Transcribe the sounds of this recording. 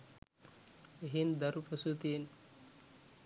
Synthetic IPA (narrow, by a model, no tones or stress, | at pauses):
eɦind̪ɐɾupɾosut̪ien